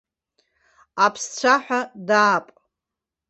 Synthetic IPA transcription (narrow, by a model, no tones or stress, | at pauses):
apʰst͡ɕʷʰaħʷᶣadaːpʼ